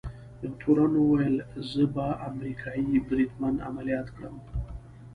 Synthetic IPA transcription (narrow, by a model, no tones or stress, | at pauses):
d̪ət̪ʰoɾanwajəlzəbaamɾikʰɑjibɾid̪mand̪a̰malijɑt̪kɽəm